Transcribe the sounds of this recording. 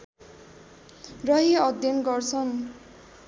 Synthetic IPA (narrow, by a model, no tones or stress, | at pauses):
rʌɦiʌd̪jʌnɡʌrt͡sʰʌn